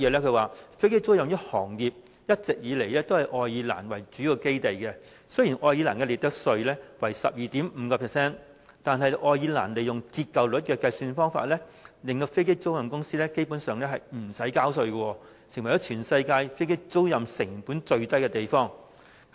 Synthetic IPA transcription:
jɛː˨˧lɛː˥kʰɵ˧ɥwaː˨˩fe˥jke˥jt͡so˥wjɐ˨mjɐ˥hɔː˨˩ŋji˨p̚ | jɐ˥t̚t͡sɪ˨k̚jiː˨˧le˨˩jlɛː˥t̪o˥whɐ˨jʔɔː˧jiː˧la̰ː˨˩nwɐ˨˩jt͡ʃyː˨˥ji˨˧wke˥jt̪e˨jkɛ˧ | sɵ˥ɥjiː˨˩nʔɔː˧jiː˨˧la̰ː˨˩nkɛ˧˥li˨t̪ɐ˥k̚sɵ˧ɥlɛː˥wɐ˨˩jsɐ̰˨p̚jiː˨t̪iː˨˥mm̩ː˨˧kɔ˧pʰɛ˨sɛː˥n | t̪aː˨nɦɐ˨jʔɔː˧jiː˨˧laː˨˩nle˨˩jʊ˨ŋt͡siː˧t̚kɐ˨wlʊ˨˥t̚kɛː˧kɐ˧jsyː˧nfɔː˥ŋfa̰ː˧t̚lɛː˥lɪ˨ŋt̪o˧fe˥jke˥jt͡so˥wjɐ˨mkʊ˥ŋsiː˥lɛː˥ke˥jpuː˨˥nsœː˨ŋlɛː˥ɦɐ˨˩jm̩˨˩sɐ˨˥jkaː˥wsɵ˧ɥkɔ˧wɔː˧ | sɪ˨ŋwɐ˩jɔː˨˥t͡ʃʰyː˨˩nsɐ˧jkaː˧jfe˥jke˥jt͡so˥wjɐ˨msɪ˨˩ŋpuː˨˥nt͡ʃɵ˧ɥt̪ɐ˥jkɛ˧t̪e˨˩jfɔː˥ŋ

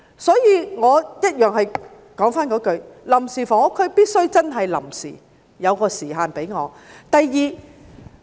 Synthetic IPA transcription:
sɔː˨˥jiː˨˧ŋɔː˨˧jɐ˥t̚jœː˨ŋhɐ˨j | kɔː˨˥ŋfaː˥nkɔː˨˥kɵ˨˧ɥlɐ˨˩msiː˨˩fɔː˨˩ŋɔ˨˧kʰːɵ˨˧ɥpiː˥t̚sɵ˥ɥt͡sɐ˥nɦɐ˨jlɐ̰˨˩msḭː˨˩ | jɐ˨˧wkɔː˧siː˨˩ɦaː˨npe˨˥jŋɔː˨˧ | t̪ɐ˨jːiː˨˧

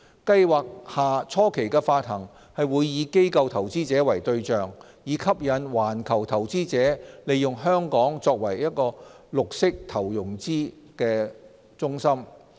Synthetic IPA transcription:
kɐ˧jwaː˨k̚haː˨t͡sʰɔː˥kʰe˨˩jkɛː˧faː˧t̚hɐ˨˩ŋ | hɐ˨jwuː˨˧jːiː˨˧ke˥jkɐ˧wt̪ʰɐ˨˩wt͡siː˥t͡sɛː˨˥wɐ˨˩jt̪ɵ˧ɥt͡ʃœː˨ŋ | jiː˨˧kʰɐ˥p̚jɐ˨˥nwaː˨˩nkʰɐ˨˩wt̪ʰɐ˨˩wt͡siː˥t͡sɛː˨˥le˨˧jjʊ˨ŋɦœː˥ŋkɔː˨˥ŋt͡sɔː˧k̚wɐ˨˩jːɐ˥t̚kɔː˧lʊ˨k̚sɪ˥k̚t̪ʰɐ˨˩wjʊ˨˩ŋt͡siː˥ | kɛː˧ | t͡sʊ˥ŋsɐ˥m

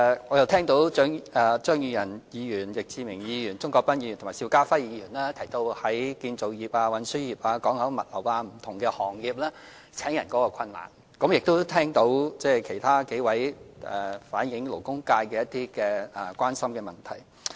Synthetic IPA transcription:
ŋɔː˨˧jɐ˨˧wt̪ʰɛː˥ŋt̪o˨˥wt͡ʃœː˥ŋɛ˧t͡ʃœː˥ŋjyː˧jɐ˨˩njiː˨˧jyː˨˩njɪ˨k̚t͡siː˧mɪ˨˩ŋjiː˨˧jyː˨˩nt͡sʊ˥ŋkɔː˧k̚pɐ˥njiː˧˨˩t̪ʰʊ˨˩maː˨˩siː˧wkaː˥fɐ˥jiː˨˧jyː˨˩nlɛː˥t̪ʰɐ˨˩jt̪o˧whɐ˨˥jkiː˧nt͡so˨wjiː˨p̚aː˧wɐ˨˥nsɵ˥jiː˨p̚aː˧kɔː˨˥ŋhɐ˨˥wmɐ̰˨t̚lɐ̰˨˩waː˧m̩˨˩t̪ʰʊ˨˩ŋkɛː˧hɔː˨˩ŋjiː˨p̚lɛː˥ | t͡sʰɛː˨˥ŋjɐ˨˩nkɔ˨˥kɔː˧kʷʰɐ˧nla̰ː˨˩n | kɐ˨˥mjɪ˨k̚t̪o˥wt̪ʰɛː˥ŋt̪o˨˥wt͡sɛː˥kʰe˨˩jt̪ʰaː˥ke˨˥jwɐ˨˥jɛ˨˩faː˨˥njɪ˨˧˥ŋlo˨˩wkʊ˥ŋkaː˧jkɛː˧jɐ˥t̚t̪iː˥kɛː˧ɛ˨˩kwʷaː˥nsɐ˥mkɛː˧mɐ˨˩nt̪ʰɐ˨˩j

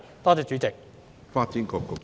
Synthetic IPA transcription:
t̪ɔː˥t͡sɛː˨˧t͡ʃy˨˥t͡sɪ˨k̚ | faː˥t̚t͡si˨˦˥nkɔː˧kːo˨

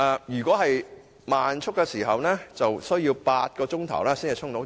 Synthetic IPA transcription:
ɛː˨˧jyː˨˩kʷɔː˨˥ɦɐ˨j | maː˨nt͡ʃʰʊ˥kːɛː˧siː˨˩ɦɐ˨wnɛː˥t͡sɐ˨wsɵ˥ɥjiː˧wpaː˧t̚kɔː˧t͡ʃʊ˥ŋt̪ʰɐ̰˨˩wlɛː˥siː˥ŋɐ˨t͡ʃʰʊ˥ŋt̪o˨˥w

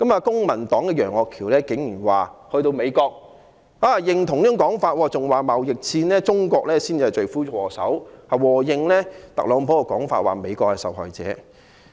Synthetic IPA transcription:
kɐ˨˥maː˨˧kʊ˥ŋmɐ˨˩nt̪ɔː˨˥ŋkɛː˧jœː˨˩ŋɔː˨˧kʰiː˨˩wlɛː˥kɪ˨˥ŋjyː˨˩nwaː˨hɵ˧t̪o˧wme˨˧jkɔː˧k̚ | aː˧jɪ˧ŋt̪ʰʊ˨˩ŋniː˥˩ʊ˧ŋkɔː˨˥ŋfaː˧t̚wɔː˨˧t͡sʊ˨ŋwaː˨˩mɐ˨wjɪ˨k̚t͡sʰiː˧nlɛː˥t͡sʊ˥ŋkɔː˧k̚lɛː˥si˥nː˨˩t͡ʃɵ˨ɥfuː˥˨wɔː˨˩sɐ̰˨˥wha˨wɔː˨˩jɪ˧ŋlɛː˥t̪ɐ̰˨k̚lɔː˨˥ŋpʰɔ˨˥kɛ˧kɔː˨˥ŋfa̰ː˧t̚wa̰ː˨me˨˧jkɔː˧hɐ˨˩sɐ̰˨wɦɔ̰ː˨jt͡sɛ̰ː˨˥

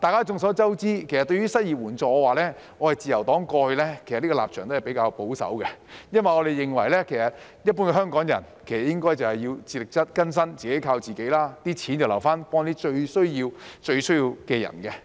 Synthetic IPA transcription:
t̪aː˨jkaː˥t͡sʊ˨ŋsɔː˨˥t͡sɐ˥wt͡siː˥kʰe˨˩sɐ˨t̪ɵ˧ɥyː˥sɐ˥t̚jiː˨p̚wuː˨˩nt͡sɔː˨ɔ˧waː˨lɛː˥ | ŋɔː˨˧hɐ˨˩jt͡siː˨˩jɐ˨˩wt̪ɔː˨˥ŋkɔː˧hɵ˧lɛ˥ke˨˩sɐ˨liː˥ɔ˧la̰ː˨p̚t͡ʃʰœː˨˩ŋt̪o˥hjpe˨˥jkaː˧wpo˨˥wsɐ̰˨˥wkɛ˧jɐ˥nwɐ˨jŋɔː˨˧ɾe˨jɪ˨ŋwɐ˨˩jlɛː˥kʰe˨˩jsɐ˨t̚ | jɐ˥t̚puː˥nkɛ˧ɦœː˥ŋkɔː˨˥ŋjɐ̰˨˩nkʰsɐ˨t̚jɪ˥ŋkɔː˥jt͡sɐ˨˩whɐ˨jiː˧wt͡siː˧lɪ˨k̚t͡sɐ˥t̚kɐ˥ns̬ɐ˥nt͡siː˨ke˨˥jkʰaː˧wt͡siː˨˩ke˨˥jlaː˥t̪iː˥t͡sʰiː˨˥nt͡swlɐ˨˩wfaː˥npɔː˥ŋnt̪iː˥t͡ʃɵ˧ɥsɵ˥ɥjiː˧wt͡ʃɵ˧ɥsɵ˥ɥjiː˧wkɛː˧jɐ̰˨˩nkɛ˧

